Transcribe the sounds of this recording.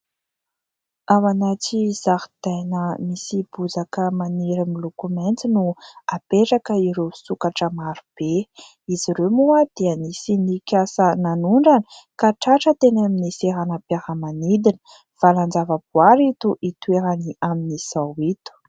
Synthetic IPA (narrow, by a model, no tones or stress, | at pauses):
awanat͡siz̥ahi̥d̪̥ajnəmisib̥uzakəmaniɾimilukument͡sinuapeʈ͡ʂakəiɾewsukaʈ͡ʂəmaɾub̥e | iziɾemuəd̪̥iənisinikʲasənanuɳɖ͡ʐanə̥kaʈ͡ʂaʈ͡ʂət̪enaminiseɾanapjaɾəmanid̪inə̥ | v̥aland͡zavəb̥uaɾit̪uʔit̪ueɾaniʔaminiz̥awit̪u̥